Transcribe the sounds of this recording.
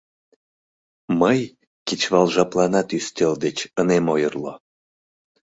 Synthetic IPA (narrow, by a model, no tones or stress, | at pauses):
məj | kit͡ɕβɑlʒɑplɑnɑt̪yst̪ʲeld̪et͡ɕənemojərlo